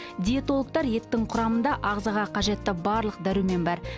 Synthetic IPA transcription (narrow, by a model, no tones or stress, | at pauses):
d̪ʲiet̪o̞lˠək̚t̪ɑɾje̞t̪ːɪŋqʰʊɾɑmənd̪ɑʔɑʁzɑʁɑqʰɑʒe̞t̪ːɪbɑɾlˠəq̚d̪æɾyme̞nbɑɾ